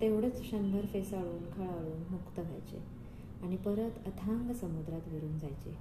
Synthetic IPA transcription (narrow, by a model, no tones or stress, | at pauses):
t̪eʋɽ̤ət͡sɕənd̪əɾfesaɭuːnkʰaɭaɭuːnmukt̪əɡʱa̰jt͡ɕḛ | aɽ̃ipəɾət̪ət̪ʰãŋɡsəmud̪ɾat̪ʋeɾuːnd͡zajt͡ɕḛ